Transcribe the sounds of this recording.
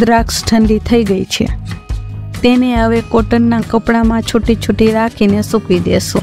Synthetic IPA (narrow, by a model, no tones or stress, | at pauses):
d̪ɾaksʈʰənd̪it̪ʰəiɡəit͡ʃʰḛ | t̪eneɦəʋekoʈənːakəpɽamãt͡ʃʰʊʈːit͡ʃʰʊʈːiɾakʰinesũkʋid̪ḛsṵ̃